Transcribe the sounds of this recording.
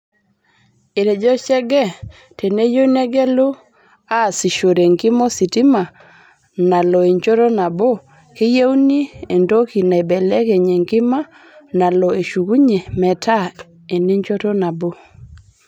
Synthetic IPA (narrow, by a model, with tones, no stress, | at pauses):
e˨ɾe˨d͡ʒɔ˦t͡ʃɛ˦ɡɛ˦˨ | te˨ne˦jo˦nɛ˦ɡɛ˦lo˦ | a˦˨si˨ʃo˨ɾe˨ŋkɪ˦mɔ˦si˨ti˦ma˨ | na˨lɔ˨e˨ɲt͡ʃo˦ɾɔ˦na˨bo˦ | ke˦je˦u˦ni˦e˨ndo˦ki˨na˨bɛ˨lɛ˦ke˨ɲe˨ŋkɪ˦ma˦ | na˨lɔ˨e˨ʃu˨ku˦ɲe˨mɛ˨tʰa˦ | e˨ni˦ɲt͡ʃo˦tɔ˦na˨bo˦